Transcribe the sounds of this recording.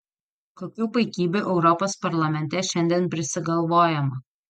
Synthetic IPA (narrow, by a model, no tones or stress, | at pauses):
koːkʲuːpɐɪkʲiːbʲuʔɛʊɾɔpospɐɾlˠɐmʲɛnʲt̪ʲɛʃʲɛnʲd̪ʲɛːnpʲɾʲɪsʲɪɡɐlˠʋoːjɛmɐ